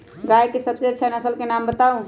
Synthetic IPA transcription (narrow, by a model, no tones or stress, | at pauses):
ɡajkesəbseətːʃʰanəsəlkenambət̪aũ